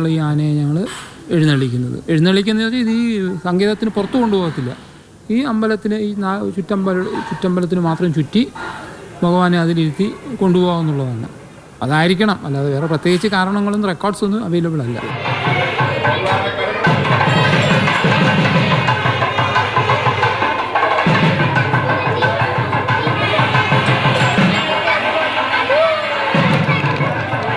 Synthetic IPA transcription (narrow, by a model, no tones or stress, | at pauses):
ɭiːaːnɐɲɐŋːɐɭ | e̞ɻunːɐɭikʲːunːɐðɨ̰e̞ɻunːɐɭikʲːunːɐðiðiːsɐŋɡe̞ːðɐt̪ːinɨpurɐt̪ːuko̞ɳɖubo̞ːɣɐt̪ːilːɐ̰ | iːɐmbɐlɐt̪ːinɨiːnat͡ɕutːɐmbɐlɐt͡ɕutːɐmbɐlɐt̪̬ːinɨmaːt̪rɐmt͡ɕutːi | moɣɐʋaːneɐðiliɾut̪ːiko̞ɳɖupo̞ːɣunːuɭːɐðɐnːɐ̰ | ɐðaːjiɾikʲːɐɳɐmɐ̰lːaːðeʋe̞ːre̞prɐt̪jeːɡit͡ɕːɨkaːɾɐɳɐŋːɐɭenːrekːoːrɖsonːɨɐʋejlɐbiɭɐlːɐ̰